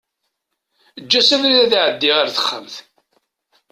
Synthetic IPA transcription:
əd͡ʒːæsæðɾiðæðʕəd̪ːiʁaɾθə̥χːə̰mθ

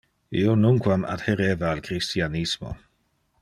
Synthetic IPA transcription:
ionuŋkwama̰d̪heɾeːvaːlkɾist̪ianismo̰

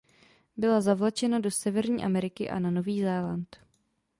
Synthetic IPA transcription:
bɪlazavlat͡ʃɛnado̞sɛvɛɾɲiːʔamɛɾɪkɪʔa̰nano̞viːzɛːlant̪

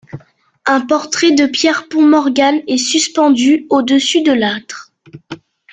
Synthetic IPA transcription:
ɛ̃pɔʁt̪χɛd̪əpjɛʁpɔ̃mɔʁɡanɛsyspɑ̃d̪yod̪əsyd̪əlat̪χ

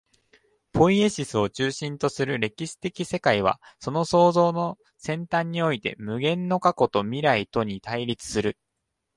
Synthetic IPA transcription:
pʰo̞ie̞ɕisɨo̞t͡ɕɨːɕĩnt̪o̞sɨɾɯ̟ɾe̞kʲiɕi̥t̪e̞kʲise̞kaiβ̞a̰so̞no̞so̞ːzo̞ːno̞ | sẽ̞nt̪ãɲ̟ːio̞it̪e̞̰mɯ̟ɡẽ̞nːo̞kako̞t̪o̞mʲiɾait̪o̞ɲ̟it̪aiɾʲit͡sɨ̥sɨɾɯ

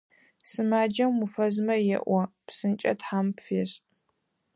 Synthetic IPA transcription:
sɨmaːd͡ʒɐmmufɐzmɐjɛ̰ʔʷɔpsɨnt͡ʃʼɐ̰tħampfeːɕʼ

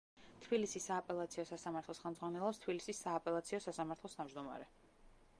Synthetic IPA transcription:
t̪ʰbilisisːaːpʼɛlˠat̪sʰiɔsasamaɾt̪ʰlˠɔsχɛlmd̪zʁwanɛlˠɔpst̪ʰbilisisːaːpʼɛlˠat̪sʰiɔsasamaɾt̪ʰlˠɔst̪ʰavd͡ʒd̪ɔma̰ɾɛ

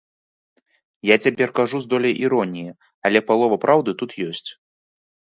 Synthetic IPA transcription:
jat͡sʲapʲɛrkaʐuzd̪ɔlʲɐjʔiɾɔnʲijɛ | ɐlʲɛpalˠɔvɐpɾʔawd̪ɨt̪ut̪jɔsʲt͡sʲ

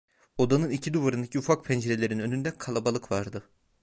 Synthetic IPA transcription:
o̞d̪anɯnicʰid̪uvaɾɯnd̪acʰiufak̚pʰɛnd͡ʒeɾelʲe̞ɾinø̞nynd̪ɛkʰalˠabalˠɯkvaɾd̪ɯ

